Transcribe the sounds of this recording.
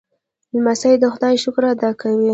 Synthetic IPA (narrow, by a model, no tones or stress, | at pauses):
lmasajd̪əxʊd̪ɑjʃʊkɾad̪ɑkawi